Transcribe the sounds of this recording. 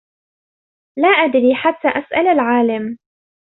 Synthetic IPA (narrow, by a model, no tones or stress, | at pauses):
laːʔad̪ɾiːħat̪ːaːʔasʔalalʕaːlam